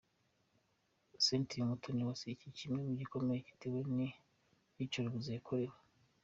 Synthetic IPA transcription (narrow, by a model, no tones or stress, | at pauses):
sentʰimutʰoniwasicicimŋemuɟiko̞meɾeci̥teweni | icoɾiɡuzekʰoɾewe